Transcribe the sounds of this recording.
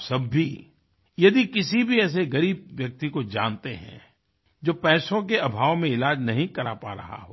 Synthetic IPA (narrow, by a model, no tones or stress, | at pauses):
sɐbːi | jɐd̪ikɪsibʱiɛːs̬eɡɐɾiːbʋjɐk̚t̪ikod͡ʒã̰ːnt̪eɦɛ̰̃ | d͡ʒoːpɛːsõk̬eɐbʱaːʋmẽɪlaːd͡ʒnɐɦĩkɐɾapa̰ːɾɐ̰ɦa̰ɦoː